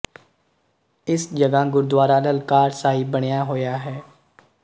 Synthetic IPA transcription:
ɪsd͡ʒəɡaːɡʊɾd̪waːɾaːləlkaːɾsaːɦiːbəɽ̃jaːɦoːjaːɦɛː

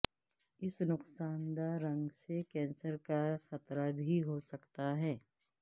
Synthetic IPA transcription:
ɪsnʊqsaːnd̪aɾɐ̃ŋɡsekɛ̃ːnsəɾkaxɐt̪ɾabʱiɦosɐkt̪aɦɛː

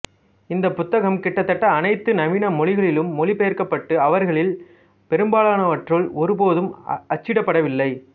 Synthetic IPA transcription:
ɪnd̪ɐpːʊt̪ːɐɣɐmkɪʈːɐt̪ːɐʈːɐːnɐɪt̪ːɯnɐmɪnɐmɔɭɪɣɐɭɪlɯmːɔlɪpɛjɐɾkɐpːɐʈːɯɐʋɐɾɣɐɭɪl | pɛɾɯmbaːɭaːnɐʋɐʈrɯɭɔɾɯpoːðɯmɐt͡ʃːɪɽɐpːɐɽɐʋɪlːɐɪ

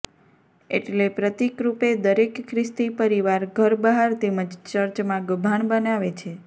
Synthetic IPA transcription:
ḛʈlepɾət̪ikɾuped̪əɾekkʰːɾɪst̪ipəɾiʋaɾɡʱəɾbəɦaɾt̪eməd͡ʒt͡ʃəɾt͡ʃmãɡəbʱaɳbənaʋet͡ʃʰe

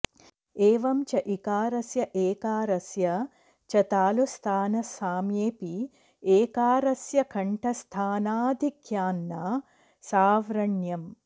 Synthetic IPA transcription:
eːʋɐmt͡ʃɐʔikaːɾɐsjɐʔeːkaːɾɐsjɐ | t͡ʃɐt̪aːlust̪ʰaːnɐsaːmjeːpi | eːkaːɾɐsjɐkʰɐɳʈɐst̪ʰaːnaːd̪ʱikjaːnːa | saːʋɾɐɳjɐm

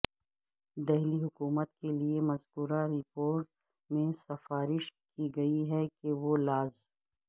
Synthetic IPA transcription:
d̪ɛɦliɦʊkuːmət̪keliemɐzɡuːɾaɾɪpoːɾʈ | mẽsɐfaːɾɪʃkiɡɐiɦɛkeʋolaːz

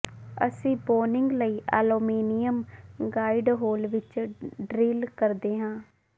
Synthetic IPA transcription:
ə̰sĩːboːnɪŋɡləiːʔɛ̰ːloːmiːnɪjəmɡaːiɖɦoːlʋɪt͡ʃɖɾiːlkəɾd̪eːɦãː

